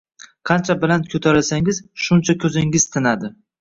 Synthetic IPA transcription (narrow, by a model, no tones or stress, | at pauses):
qʰɑnt͡ʃʰabɪlankʰʲɵt̪ʰaɾasaŋɪzʃʊnt͡ʃʰakʲʰɵzɪŋɪzt̪ʰɪnad̪ɪ